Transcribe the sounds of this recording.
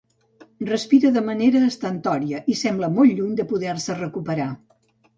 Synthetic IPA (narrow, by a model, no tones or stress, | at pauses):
rəspiɾəðəməneɾəːst̪ənt̪ɔɾiəʔisɛmbləmolˠʎuɲd̪əpuðɛrsərəkupəɾa